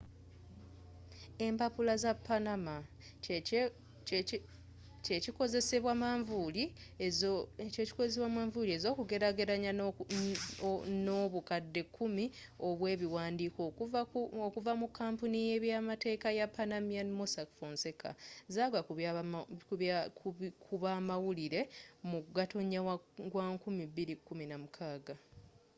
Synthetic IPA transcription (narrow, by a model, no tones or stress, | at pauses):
e̞mpapulazapːanama | t͡ʃecikoze̞se̞βwamaɱvuli | ceci̥kozes̬eβwamaːɱvulie̞ːzo̞ːkuɡe̞ɾaɡe̞ɾaɲa | noβukadːe̞kʰːumi | o̞βwe̞ːβiwaːndiːko | okuvamukːaːmpunije̞ːβjaːmate̞ːkajapːanamianmosakfoːnse̞kʰa̰zaːɡakukuakʰuβaːmawuliɾe̞muɡatoɲawaɡwaŋkumibːiɾikːuminamukʰaːɡa